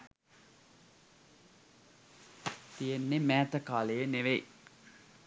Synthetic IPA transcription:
t̪ijenːemæːt̪əkaːlejeneʋe

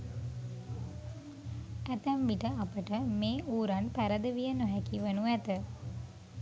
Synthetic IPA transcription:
æt̪əmʋiʈəapəʈəmeːʔuːɾanpæɾəd̪əʋijənoɦækiʋənuæt̪ə

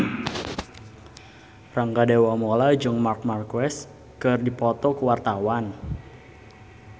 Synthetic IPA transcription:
raŋkadewamolad͡ʒɔŋmark̚markwɛs | kɨrdipɔt̪ɔkəwart̪awan

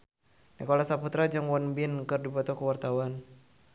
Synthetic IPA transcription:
nikɔlasaput̪ɾad͡ʒɨŋwɔnbinkɨrdibɔt̪ɔkuwart̪awan

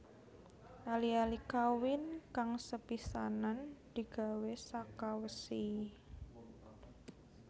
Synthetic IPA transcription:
ʔalialikawɪnkaŋsəpisanand̪̥i̤ɡ̥a̤wesakawəsi

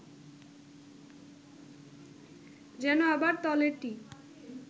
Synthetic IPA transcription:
d͡ʑɛnoabaɾt̪ɔleɾʈi

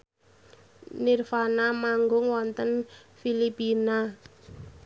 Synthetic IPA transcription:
nirfanamaŋɡʊŋwɔnt̪ənfilipina

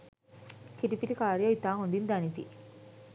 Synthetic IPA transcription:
kiʈipiʈikaːɾjoit̪aːɦond̪ind̪ɐnit̪ḭ

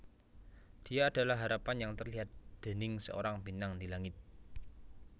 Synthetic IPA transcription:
d̪̥ijaːd̥a̤lahɦːaɾapanjaŋt̪ərliɦat̪̚d̪̥ə̤nɪŋsə̰o̰ɾaŋbinaŋd̪ilaŋɪt̪̚

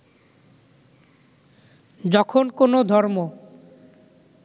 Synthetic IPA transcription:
d͡ʑɔkʰonkonod̪ʱɔɾmo

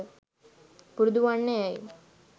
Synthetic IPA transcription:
puɾd̪ʋaɳːeaḭ

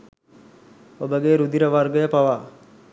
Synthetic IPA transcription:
obəɡeːɾud̪iɾəʋɐrɡəjəpaʋaː

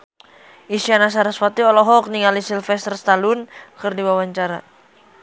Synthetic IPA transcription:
ʔisianas̬aɾaswat̪iɔlɔɦɔk̚niŋalisilfɛst̪ərst̪alʊnkərdiwawaɲt͡ʃaɾa̰

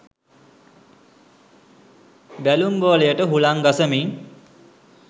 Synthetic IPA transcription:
bælumboːləjəʈəɦulaŋɡasəmiŋ

